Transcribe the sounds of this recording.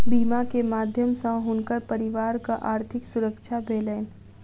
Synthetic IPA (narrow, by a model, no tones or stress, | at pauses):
biːmakemaːd̪ʱjəmsə̃ɦʊnkəɾpəɾɪʋaːɾkaʔaːɾt̪ʰɪksʊɾəkʃʰabʱeːleːn